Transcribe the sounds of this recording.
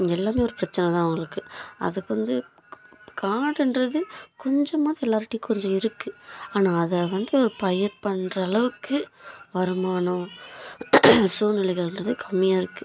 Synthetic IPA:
ɛlːaːmeːɔɾɯpɪɾɐt͡ʃːɐnɛt̪ãːʊŋɡɐɭɯkːɯʔɐ̰ðɯkːʋɐnd̪ɯ | kʰaːɽɛnrɐðɯkɔɲd͡ʒɐmaːðiɛlːaːɾʈːikɔɲd͡ʒɔ̃ɪɾɯkːɯaːnaːðɛʋɐnd̪ɯɔɾɯpɐjɪɾpɐɳrɐːɭɐʋɯkːɯʋɐɾɯmaːɳõ | suːnɪlɐɪɣɐɭɛndrɐðɯkʰɐmːɪjaːɪɾɯkːɯ

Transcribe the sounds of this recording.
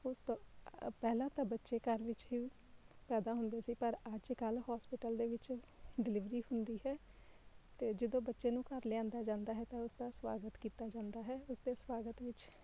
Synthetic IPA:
ʊst̪õːpɛːlãːt̪ãːbətːʃeːkəɾʋɪt͡ʃɦiː | pɛːd̪aːɦʊnd̪eːsiːpəɾəd͡ʒkəlhaːspɪʈəld̪eːʋɪt͡ʃɖɪlɪʋɾiːhʊnd̪iːɦɛː | t̪eːd͡ʒɪd̪õːbətːʃeːnũːkəɾlɪãːnd̪aːd͡ʒãːnd̪aːɦɛːt̪ãːʊsd̪aːsʋa̰ːɡət̪kiːt̪aːd͡ʒãːnd̪aːɦɛːʊsd̪eːswaːɡət̪ʋɪt͡ʃ

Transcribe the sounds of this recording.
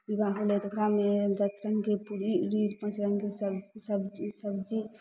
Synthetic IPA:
bibʱaɡolet̪əkɾamed̪əsɾəŋɡkepuɾiɾiɾpãt͡ʃɾəŋɡkessəbsəbd͡ʒi

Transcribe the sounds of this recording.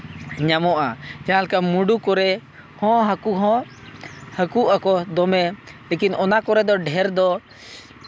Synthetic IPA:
ɲamɔʔad͡ʒãlkamuɖukɔɾɛ | hɔ̃ɦəkuɦɔ̃ | həkuʔakɔd̪ɔmɛlekinɔnakɔɾɛd̪ɔɖʱɛɾd̪ɔ

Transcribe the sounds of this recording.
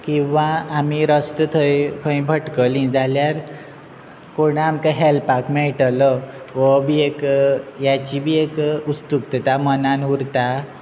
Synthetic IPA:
kĩʋaːmiɾəst̪ət̪ʰəjkʰə̃ĩbʱəʈkəlĩd͡zaljaɾ | koɽ̃amkaɦelpakmɛɭʈlə | ʋəbʱiekjat͡ɕibʱiekust̪uk̚t̪ət̪amənanuɾt̪a

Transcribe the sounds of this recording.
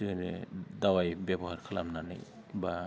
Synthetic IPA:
ɯnḛd̪awajbɛbɔɦaɾkʰɯlamnanɯ̰j | ba

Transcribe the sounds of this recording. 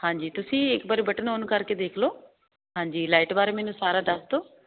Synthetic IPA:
hãːɲd͡ʒiːt̪ʊsĩːeːkbaːɾibɐʈənoːnkɐɾked̪eːkʰloː | ɦãːɲd͡ʒiːlaːjʈbaːɾemeːnũsaːɾaɖast̪oː

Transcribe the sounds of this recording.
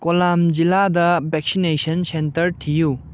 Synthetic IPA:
kolamd͡ʒiladɐbʱɛk̚sinesɐnsentɐɾtʰiju

